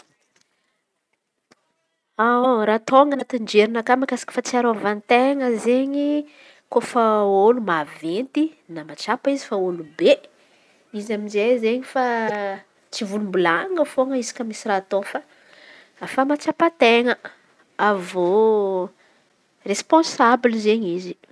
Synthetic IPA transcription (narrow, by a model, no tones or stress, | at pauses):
aɾat̪oŋənat̪ind͡ʒeɾinakamakasḁkə̥fat͡siaɾoavant̪eŋəzeɲi | kofəolumavent̪inamat͡ʃapəizifaolube | izaminzezeɲifa | t͡sivulumbulaŋəfoŋəizi̥kamisirat̪ofə | afamat͡ʃapat̪eŋə | avo | respõnsabilizeɲizi